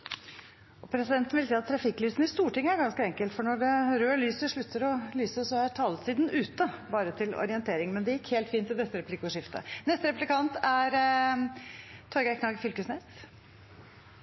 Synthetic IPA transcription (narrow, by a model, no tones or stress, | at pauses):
ɔpʰɾɛsɪd̪ɛnt̪n̩ʋɪlsiːɑt̪ʰːɾɑfɪkːlyːsn̩ɪst̪uːʈɪŋːəæɾɡɑnskəɛŋkəlt̪fɔɳɔɖɛɾøːlyːsəʂɭʉt̪ʰːəɾɔlyːsəsɔæʈʰɑːləsiːd̪n̩ʉːt̪əbɑːɾət̪ʰɪlɔ̰ɾɪənt̪ʰeːɾɪŋmɛnd̪ɛjɪkːheːlt̪fiːnt̪ʰːɪld̪ɛt̪ːəɾɛplɪkːʊʂɪft̪ʰə̰nɛst̪əɾɛplɪkʰɑnt̪æɾ | t̪ʰɔɾɡækʰnɑːɡfʏlkəsneːs